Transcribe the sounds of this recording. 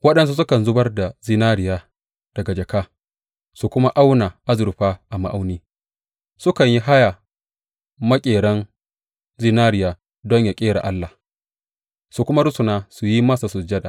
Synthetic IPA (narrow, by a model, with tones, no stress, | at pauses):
wɐ˦ɗɐ˨ns̬u˦s̬ʊ˦kɐ˨nzʊ˦bɐ˦rda˨zi˦naː˦ɽɪ˨jaː˦ | d̥ɐ˨ɡa˨d͡ʒɐ˨kaː˦ | su˨kʷʊ˦ma˦ʔa˦wna˨ʔa˦zʊ˨ɾɸaː˦ʔa˨ma˨ʔa˦wniː˦ | sʊ˦kɐ˨ɲji˦ɦa˦ja˨ | mɐ˦kʲʼeː˨ɽɐ˦n | ziː˦naː˦ɾɪ˨jaː˨ | dɔ˦ɲja˨kʲʼeː˦ɽa̰˨ʔa˦lːa˨ | su˨kʷʊ˦ma˦ɽʊ˦sʊ˨naː˦su˨ji˦maː˦sa˨sʊ˨d͡ʒɐ˦da˨